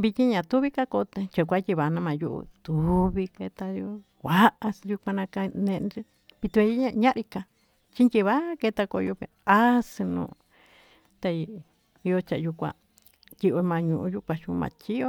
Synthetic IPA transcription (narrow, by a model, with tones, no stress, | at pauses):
βi˧t̪ʲi˦ɲã˨t̪u˦βi˦ka˦ko˧t̪ẽ˧t͡ʃa˨kʷa˦t̪ʲi˧βa˨˧nã˧mã˨ju˦ʔṵ˧t̪u˨βi˧ke˧t̪a˧jo˧ | kʷa˨˦ʔa˧sju˧kʷã˧nã˧ka˧nẽ˧ʔnɾi˦ | pi˧t̪u˧e˧˦a˧ɲã˦ʔɾi˧ka˧ | t͡ʃi˦nt̪ʲi˧βa˦ke˧t̪a˧ko˧jo˧pḛ˧a˦si˧nṵ̃˧ | t̪a˧ | i˧jo˧t͡ʃa˨˧ju˧kʷã̰˧ | t̪ʲi˧ʔo˧mã˧ɲũ˧ʔũ˧ju˦kʷã˧t͡ʃũ˧mã̰˧t͡ʃi˦o˦